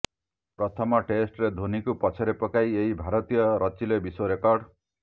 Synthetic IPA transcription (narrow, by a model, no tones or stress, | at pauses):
pɾɔt̪ʰɔmɔʈesʈɾed̪ʱonikupɔt͡ʃʰɔɾepɔkajeɦibʱaɾɔt̪ijɔɾɔt͡ʃilebiswoɾekɔɾɖ